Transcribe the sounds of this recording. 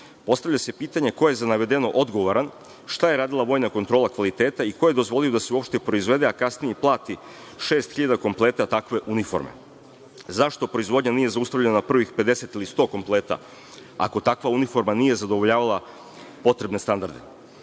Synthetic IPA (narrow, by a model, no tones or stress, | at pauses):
po̞st̪aʋʎase̞piːt̪aɲe̞ko̞je̞zanaʋe̞d̪e̞no̞ʔo̞d̪ɡo̞ʋoɾan | ʃt̪aje̞ɾaːd̪ilˠaʋo̞ːjnako̞nt̪ɾo̞ːlakʋalit̪e̞ːt̪aiko̞je̞d̪ozʋo̞lijo̞d̪aseuo̞pʃt̪epɾo̞izʋe̞d̪e̞akasnijeplˠaːt̪i | ʃe̞ːst̪xiʎad̪ako̞mplˠe̞ːt̪at̪akʋe̞ʔunifo̞ɾmḛ | zaʃt̪o̞pɾo̞izʋo̞d̪ɲanije̞zaust̪avʎe̞nanapr̩ʋixpe̞d̪e̞se̞t̪ilist̪o̞ːko̞mplˠe̞ːt̪a̰ | a̰ko̞t̪akʋaunifo̞ɾmanije̞zad̪o̞ʋo̞ʎaːʋalˠa | po̞t̪ɾe̞bne̞st̪and̪aɾd̪e̞̰